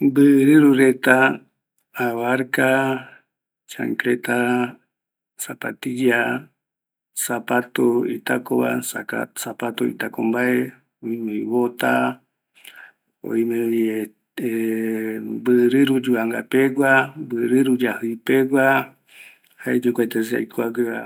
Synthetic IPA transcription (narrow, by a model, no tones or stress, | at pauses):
bɨɾɨɾuɾe̞t̪aː | waɾka | t͡ʃa̰ŋkɾet̪a | sapa̰t̪ija | sapat̪oit̪akoβa̰sapat̪oḭt̪akombae | ojmeiβot̪a | o̰imeje | e | bɨɾɨɾud͡ʒuaŋɡa̰peɡʷabɨɾɨɾud͡ʒahɨjpeɡʷa | haed͡ʒukʷat̪es̬ea̰jkoaɡɨa̰